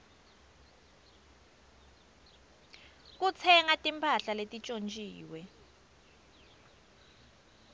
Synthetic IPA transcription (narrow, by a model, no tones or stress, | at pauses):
k̬ut͡sʰɛŋatʼimpʰaɬaletʼit͡ʃʼont͡ʃʼiːwɛ